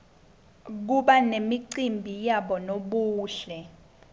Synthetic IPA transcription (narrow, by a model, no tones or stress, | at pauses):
k̬uɓanemiǀimbʱijaɓɔnoɓuːɬɛ